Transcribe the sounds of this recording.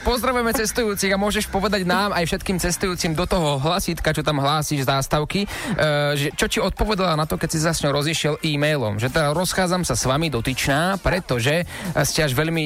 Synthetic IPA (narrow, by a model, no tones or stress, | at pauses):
pɔzd̪ɾaʋujɛmɛt͡sɛst̪ujuːt͡siɣamʊɔʒɛʃpɔʋɛd̪aɟnaːmajfʃɛt̪kiːmt͡sɛst̪ujuːt͡simd̪ɔt̪ɔɦɔɦlasiːt̪kat͡ʃɔt̪amɦlaːsiːʒzaːst̪aʊki | ʒɛt͡ʃɔciɔt̪̚pɔʋɛd̪alanat̪ɔkɛcsizasɲɔʊɾɔziʃɪɛlʔiːmɛjlɔ̰mʒɛt̪ɛd̪aɾɔsxaːd͡zamsasʋamid̪ɔt̪it͡ʃnaːpɾɛt̪ɔʒɛ | scɛaʒʋɛʎmi